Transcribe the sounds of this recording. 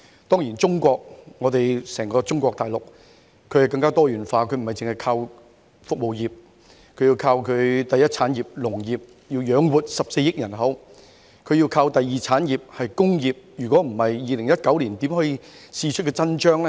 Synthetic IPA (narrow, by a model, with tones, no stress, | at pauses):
t̪ɔː˥ŋjiː˨˩nt͡sʊ˥ŋkʷɔː˧k̚ŋɔː˨˧t̪e˨jsɛː˨˩ŋkɔː˧t͡sʊ˥ŋkʷɔː˧k̚t̪aː˨jlʊ˨k̚ | kʰɵ˨˧ɥhɐ˨˩wkɐ˧ŋkaː˥t̪ɔː˥jyː˨˩nfaː˧kʰɵ˨˧ɥm̩˨˩˨ɐ˨˩jt͡sɪ˨ŋhɐ˨jkʰaː˧w | fʊ˨k̚mo˨wjiː˨˩p̚ | kʰɵ˨˧ɥji˧wkʰaː˧wkʰɵ˨˧t̪ɐ˨jɐ˥t̚t͡sʰaː˨˥njiː˨p̚lʊ˨˩ŋjiː˨p̚ | jiː˧wjœː˨˧˥ŋwuː˨˩t̚sɐ˨p̚se˧jɪ˥k̚jɐ˨˩nɦɐ˨˥w | kʰɵ˨˧jiː˧wkʰaː˧wt̪ɐ˨jːiː˨˩t͡sʰaː˨˥nji˨p̚hɐ˨jkʊ˥ŋjiː˨p̚jyː˨˩kʷɔː˨˥m̩˨˩hɐ˨jːiː˨lɪ˨˩ŋjɐ˥t̚kɐ˨˥wliː˨˩nt̪iː˨˥mhɔː˨˥ji˧t͡sʰiː˧t͡ʃʰt̚kɛː˧t͡sɐ˥nt͡ʃœː˥ŋlɛ˥